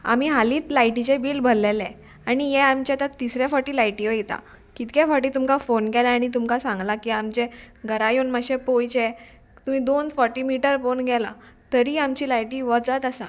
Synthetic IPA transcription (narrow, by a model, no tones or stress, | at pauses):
a̰m̤iɦaliːt̪lajʈit͡ɕebiːlbʱəlːelɛ̃ | aɽ̃ijɛamt͡ɕjat̪at̪isɾjafɔʈiːlajʈiʋəjit̪a̰ | kit̪kefɔʈiːt̪umkafonɡʱɛlaaːɽ̃it̪̬umkasãŋɡlakiamt͡ɕeɡʱəɾajunməɕepojt͡ɕe | t̪um̤iːd̪onfɔɾʈimiʈəɾfonɡʱɛla̰ | t̪əɾiːamt͡ɕiːlajʈiːʋəd͡zət̪asã̰